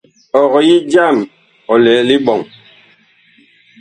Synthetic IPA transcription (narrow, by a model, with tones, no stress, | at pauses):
ɔ˨ɣɔ˨ji˦d͡ʒa˦˨m | ɔ˨lɛː˨˦li˦ɓɔ˨ŋ